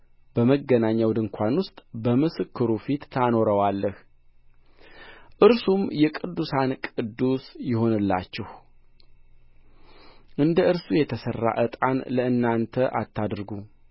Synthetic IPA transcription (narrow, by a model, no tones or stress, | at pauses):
b̥əməɡːənaɲːawd̪ɨŋkʷʰanwʊst̪ʼbəmɨsɨkʰːɨɾufit̪ːʰano̞ɾəwalːəh | ʔɨɾsumjɛkʼɨd̪ːusankʼɨd̪ːusjɪho̞nɨlːa̰t͡ʃːɪh | ʔɨnd̪əʔɨɾsujɛt̪ʰəsərːa̰ʔət̪ʼanləɨnːant̪ʰəʔat̪ʰːad̪ɾɡu